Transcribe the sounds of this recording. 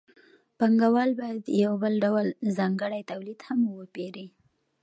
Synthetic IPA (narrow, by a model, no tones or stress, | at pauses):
paŋɡawɑlbɑjad̪jawbəlɖawəlzɑŋɡəɽajt̪awlid̪hamwəpeɾi